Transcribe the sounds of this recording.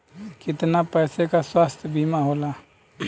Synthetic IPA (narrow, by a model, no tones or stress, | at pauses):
kɪt̪napɛːsekaswaːst̪ʰjbʱimaɦoːla